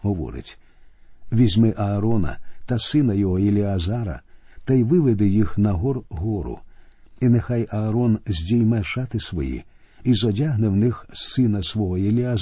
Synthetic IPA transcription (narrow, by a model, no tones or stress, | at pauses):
ɦɔʋɔ̰ɾɪ̰tʲ | ʋʲizʲmɪʔɐːɾɔnɐ̰t̪ɐsɪnɐjɔɦɔilʲiɐzɑɾɐ̰t̪ɐjʋɪʋed̪ɪjixnɐɦɔrɦɔɾʊ̰inexajɐːɾɔnzʲdʲijmɛʃɑt̪ɪsʋɔjḭ | izɔdʲaɦnɪwnɪxsɪnɐsʋɔɦɔilʲiaz